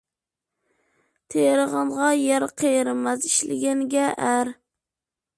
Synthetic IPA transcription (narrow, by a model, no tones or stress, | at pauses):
t̪ʰeɾɨʁɨɴʁɑjaɾqʰejɾmazɪʃlɪ̰ɡʲaŋɡʲaʔaɾ